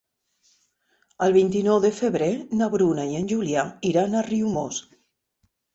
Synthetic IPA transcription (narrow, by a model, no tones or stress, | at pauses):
əlˠβint̪inɔwðefeβɾenaβɾunaienʲʒuljaiɾanariumos